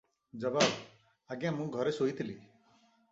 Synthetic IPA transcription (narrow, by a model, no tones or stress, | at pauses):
d͡ʒəbaːb | əɡjãːmũːɡʱɔɾesoːit̪ɪliː